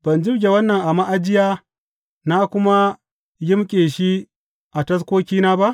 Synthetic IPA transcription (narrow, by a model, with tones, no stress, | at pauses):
b̥ɐ˨nd͡ʒɪ˦bɡʲe˨wɐ˦nːɐ˨ŋʔa˨ma˦ʔa˨d͡ʒɪ˦jaː˦ | na˦kʷʊ˦ma˦ | jɪ˦mkʲʼeː˨ʃi˦ | ʔa˨tɐ˦s̬kʷoː˦kʲiː˦naː˦ba˦ʔ